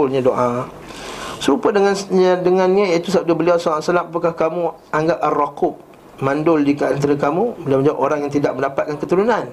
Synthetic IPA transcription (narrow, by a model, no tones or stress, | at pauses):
ʊlɲadoʔa | səɾupədəŋanɲədəŋãnɲajat̪usap̚dabəliawsaasalamapakahkamu | ʔaŋɡap̚arːakʊp̚ | mãndʊldikəant̪aɾakamũbəliawməd͡ʒaiʔoɾaŋjaŋt̪idaʔ̚məndapat̪̚kankət̪uɾunãn